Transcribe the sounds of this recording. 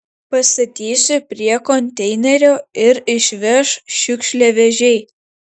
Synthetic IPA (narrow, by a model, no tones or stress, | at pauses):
pɐst̪ɐt̪ʲiːsʲʊpʲɾʲiɛkɔnʲt̪ʲɛɪnʲɛɾʲoːɪɾɪʃʲʋʲɛʃʃʲʊkʃʲlʲɛʋʲɛʒʲɛɪ